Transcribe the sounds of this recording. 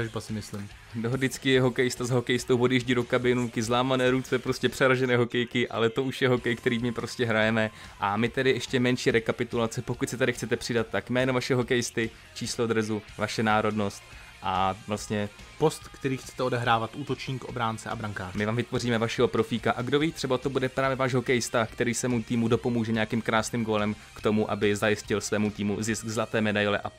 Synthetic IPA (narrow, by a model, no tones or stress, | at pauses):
aʒbasɪmɪslɪm | dodɪt͡skɪjɛɦo̞kɛjɪst̪azaɦo̞kɛjɪst̪owvodjɛʒɟiːdokabɪnuŋkɪzlaːmanɛːɾut͡sɛpɾo̞scɛpr̥ɛɾaʒɛnɛːɦo̞kɛjkɪʔa̰lɛt̪o̞ʔuʃjɛɦo̞kɛjkt̪ɛɾiːmɪpɾo̞scɛɦɾajɛmɛʔamɪt̪ɛdɪʔɛʃcɛmɛnʃiːɾɛkapɪt̪ulat͡sɛpo̞kut̪sɛt̪adɪxt͡sɛt̪ɛpr̝̥ɪdat̪ːakmɛːnovaʃɛɦo̞kɛjɪst̪ɪ | t͡ʃiːslod̪ɾɛzuvaʃɛnaːɾo̞dno̞st̪ | ʔavlast̪ɲɛ | po̞st̪kt̪ɛɾiːxt͡sɛ̥t̪ɛodɛɦɾaːvat̪ʔuːt̪o̞t͡ʃɲiːkʔo̞bɾaːnt͡sɛʔa̰bɾaŋkaːmɪvaːmvɪt̪vo̞riːmɛvaʃɛɦo̞pɾo̞fiːkaʔaɡdo̞viːt̪r̥ɛbat̪o̞budɛpɾaːvjɛvaːʃɦo̞kɛjɪst̪akt̪ɛɾiːsɛːmut̪iːmudo̞po̞muːʒɛɲeakiːmkɾaːsniːmɡo̞lɛm | kt̪o̞muʔa̰bɪzajɪscɪlsvɛːmut̪iːmuzɪsɡzlat̪ɛːmɛdajlɛ̰ʔa